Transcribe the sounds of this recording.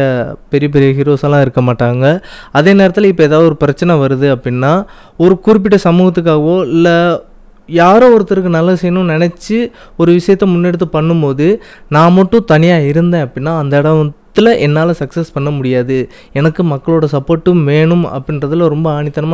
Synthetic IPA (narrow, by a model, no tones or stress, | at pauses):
ɐpɛɾɪjɐp̬ɛɾɪjɐɦɪɾoːsɐlãːɪɾɯkːɐmaːʈːaːŋɡɐɐðeːneːɾɐt̪ːɪlɪpːoɛːðaːðɐɔɾɯpɪɾɐt͡ʃːɐnɛʋɐɾɯðɯɐpːɽɪnːaː | ɔɾɯkʊɾɪp̬ːɪʈːɯsɐmuːɣɐt̪ːɯkːaːɣɐʋoːɪlːɐ | jaːɾõːɔɾɯt̪ːɪɾk̬ːɯnɐlːɐsɛjɐnʊ̃nɪnɛt͡ʃːɯ | ɔɾɯʋɪʂɐjɐt̪ːɛmʊnːɛɽɯt̪̬ːɯpɐɳːɯmpoːðɯnaːmɐʈːʊ̃t̪ɐnɪjaːɪɾɯnd̪ẽːɐpɐɽɪnːaːɐnd̪ɐːɽɐt̪ːɪlɐʔɛnːaːlɐsɐksɐspɐɳːɐmʊɽɪjaːðɯ | ɛnɐkːɯmɐkːɐɭoːɽɐsɐpːoːʈːɯmʋeːɳɯmɐ̰pːɐɪnɾɐðɪlɾɔmbɐaːɳɪt̪ːɐnɐma